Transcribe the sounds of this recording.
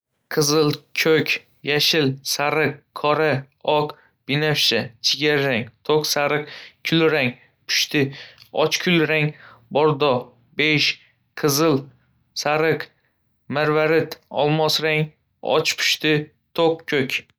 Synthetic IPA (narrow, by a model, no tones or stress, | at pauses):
qʰɨzɨlˠkʲʰɵkʲ | jaʃɪlsaɾɨqʰːɒɾa | ɒq | b̥ɪnafʃat͡ʃʰɪɡʲaɾɾaŋt̪ʰoqsaɾɨqkʲʰʊlɾaŋ | pʰʊ̥ʃt̪ʰɪɒ̰t͡ʃkʰʊlɾaŋbɒɾd̪ɒ | beʃ | qʰɨzɨl | saɾɨq | maɾvaɾɪt̪ɒ̰lˠmɒsɾaŋ | ɒ̰t͡ʃpʰʊ̥ʃt̪ɪ | t̪ʰoqkʲʰːɵkʲ